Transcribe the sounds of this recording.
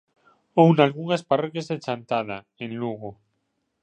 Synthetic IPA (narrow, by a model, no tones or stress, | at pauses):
ownalɣuŋasparokjezðet͡ʃant̪aða | enluɣo